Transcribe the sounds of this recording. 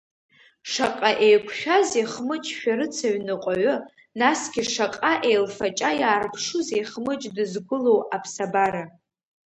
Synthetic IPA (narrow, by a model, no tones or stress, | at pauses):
ʂaqʼaʔejkʷʰʃᶣazeχmɨt͡ʃʼʃᶣaɾɨt͡sʰaɥnɨqʷʼaɥʊ | nasɡ̥ʲiʂaqʼaʔejlfat͡ʃʼajaːrpʰʂuzejχmɨt͡ʃʼdɨzɡʷʊlo̞wapʰsabaɾa